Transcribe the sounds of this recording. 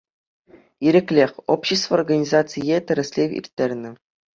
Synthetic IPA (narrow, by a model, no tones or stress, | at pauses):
iɾʲɘ̆kʲlʲexʲopɕest̪vːrɡanʲizɑtt͡sɨjet̪ʲɘ̆ɾʲɘ̆sʲlʲevʲḭrʲt̪ʲːerʲnʲɘ̆